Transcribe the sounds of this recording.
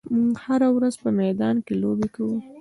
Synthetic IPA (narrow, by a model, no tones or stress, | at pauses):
muɡhaɾawɾazpəmɛd̪ɑnkelobekawu